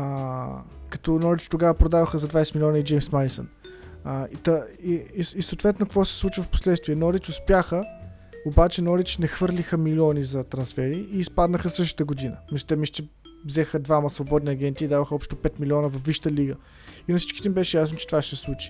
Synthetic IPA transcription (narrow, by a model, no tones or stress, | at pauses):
kɐt̪ɔnɔɾit͡ʃt̪oɡavəpɾod̪avəxəzɐd̪vajsɛtmilʲɔnəid͡ʒɛjmsmaɾisə̰n | it̪əiisəoːt̪vɛt̪nokvɔsɛ̥slˠut͡ʃivəfpo̥slɛt̪st̪viɛnɔɾit͡ʃʊspjaxə | obat͡ʃɛnɔɾit͡ʃnɛxvɤɾlʲixəmilʲɔnizɐt̪ɾɐnsfɛɾiʔːspad̪nəxəsɤʃ̬t̪ə̥t̪əɡod̪inəmiso̥t̪ɛmist͡ʃɛ | vzɛxəd̪vaməsvobɔd̪niɐɡʲɛnt̪iːd̪avəxəɔpʃt̪opɛt̪milʲiɔnəvɐfvːiʃə̥t̪əliɡə | inɐfsit͡ʃki̥t̪ɛmibɛʃɛjasnot͡ʃɛt̪ovaʃt̪ɛslˠut͡ʃi̥